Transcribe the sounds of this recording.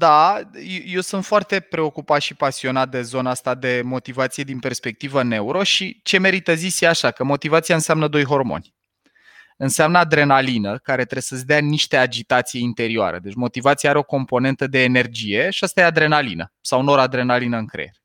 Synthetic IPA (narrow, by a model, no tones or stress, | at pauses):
d̪ajeje̞wsunt̪foart̪e̞pɾe̞o̞kupat̪ʃipasio̞nat̪̚d̪e̞zo̞naast̪ad̪e̞mo̞t̪ivat̪sije̞d̪inpe̞rspe̞k̚t̪ivəne̞uɾo̞ʃit͡ʃe̞me̞ɾit̪əzisiaʃakəmo̞t̪ivat̪siaɨnseamnəd̪o̞jɦo̞rmo̞̰nʲ | ɨnseamnəad̪ɾe̞nalinəkaɾe̞t̪ɾesəsʲd̪eaniʃt̪ead͡ʒit̪at̪sijeint̪e̞ɾioa̰ɾḛd̪e̞t͡ʃʲmo̞t̪ivat̪sijaaɾeo̞ko̞mpo̞ne̞nt̪əd̪e̞ːne̞rd͡ʒije̞ʃiast̪ajead̪ɾe̞nalḭnə̰sawnoɾad̪ɾe̞nalinəɨŋkɾḛjḛɾe